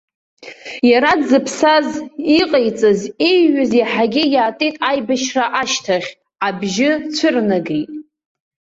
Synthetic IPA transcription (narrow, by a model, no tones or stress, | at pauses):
jaɾadzɨpʰsaziqʼejt͡sʼɨzejɥaziħaɡʲɪjaːtʼejtʼajbaʃraʔaʃtʰaχʲ | abʒɪt͡sʷʰɨrnaɡejtʼ